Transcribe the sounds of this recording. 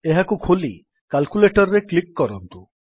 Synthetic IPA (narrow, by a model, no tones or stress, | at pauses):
eɦakukʰoli | kalkuleʈɔɾɾeklikːɔɾɔnt̪u